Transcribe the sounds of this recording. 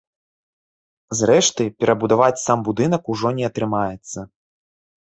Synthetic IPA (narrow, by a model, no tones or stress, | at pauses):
zrɛʂt̪ɨpʲɛɾʔɐbud̪avat͡sʲsambud̪ɨn̪ɐkuʐɔnʲɛɐt̪ɾɨmajɛt̪sːɐ